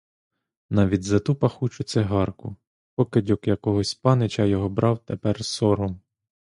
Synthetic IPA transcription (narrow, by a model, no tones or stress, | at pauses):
nɑʋʲidʲzɐt̪upɐxut͡ʃʊt͡sʲːɛɦɑrkʊ | pɔkɪdʲɔkjɐkɔɦɔsʲpɑnɪt͡ʃɐjɔɦɔbɾɑwt̪epɛrsɔɾɔm